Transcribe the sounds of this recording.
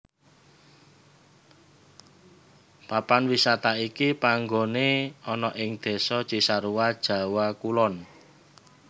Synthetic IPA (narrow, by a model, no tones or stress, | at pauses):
papanwisat̪aikipaŋɡoneɔnɔʔɪŋd̪̥e̤sɔ̥t͡ʃiʔsaɾuwad̥ʒ̥ä̤wakulɔn